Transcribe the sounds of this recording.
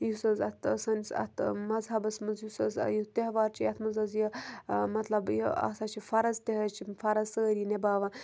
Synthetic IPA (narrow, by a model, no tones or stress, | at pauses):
jusɐzɐt̪ʰːsɐnʲsɐ̰t̪ʰmɐzɦɐbɐsmɨzjusɐz̰jit̪eɦʋaːɾt͡ʃʰijɐt̪ʰmɐzɐzjimɐt̪lɐbjiɐ̰sɐt͡ʃʰifɐɾɐzt̪eɦɐt͡ʃʰifɐɾɐzsəːɾjinebaːʋɐn